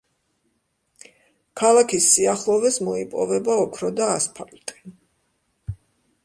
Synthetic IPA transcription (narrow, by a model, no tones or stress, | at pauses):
kʰalˠakʰisːiaχlˠɔvɛsmɔipʼɔ̰vɛbaɔkʰɾɔd̪aːspʰalt̪ʼi